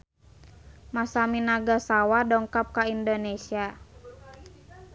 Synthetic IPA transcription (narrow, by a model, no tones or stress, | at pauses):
masaminaɡasawadɔŋkap̚kaindonesia